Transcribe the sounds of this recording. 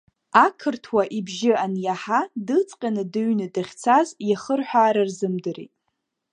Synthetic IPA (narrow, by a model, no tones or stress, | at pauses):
akʰɨrtʰwaʔibʒɪanjaħadɨt͡sʼqʲʼanɨdɨɥnɨdaχʲt͡sʰazjaχərħʷᶣaːɾarzɨmdɨrḛtʼ